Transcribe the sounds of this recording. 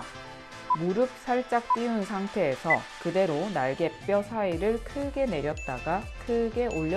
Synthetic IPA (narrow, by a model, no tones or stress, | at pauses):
muɾɯp̚s͈ʰaɭt͡ɕ͈ak̚p͈iunsʰaŋtʰe̞ːsʰʌkɯde̞ɾonaɭɡe̞p̚p͈jʌsʰaiɾɯɭkʰɯɡe̞ne̞ɾjʌt̚t͈a̰ɡakʰɯɡe̞ʔoʎːʌ